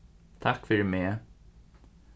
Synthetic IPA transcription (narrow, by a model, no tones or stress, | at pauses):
t̪ʰakfʏɹmeː